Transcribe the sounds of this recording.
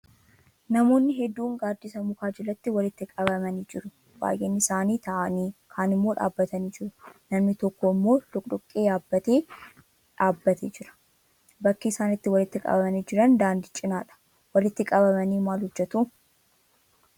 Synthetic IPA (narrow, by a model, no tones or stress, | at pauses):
nɐmo̞ːnːɪɦɛd̪ːuːŋɡaːɾd̪isɐmʊkaːd͡ʒɛlɐt̪ːɪwɐlɪt̪ːɪkʼɐbɐmɐniːd͡ʒɪɾʊ | b̥a̰ːjʔeːnːɪɪsaːniːt̪ɐʔɐniːkʰaːnɪmːo̞ːᶑa̰ːbːɐt̪ɐniːd͡ʒɪɾʊnɐmnɪt̪ɔkːoɪmːo̞ːlʊkʼᶑʊkʼːeːjaːbːɐt̪eː | ᶑaːbːɐt̪eːd͡ʒɪɾɐ̥ | bɐkːiːsaːnɪt̪ːɪwɐlɪt̪ːɪkʼɐ̰bɐmɐniːd͡ʒɪɾɐnd̪aːnd̪ɪt͡ʃʼɪnaːᶑɐ̥ | wɐlɪt̪ːɪkʼɐbɐmɐniːmaːlhʊd͡ʒːɛt̪u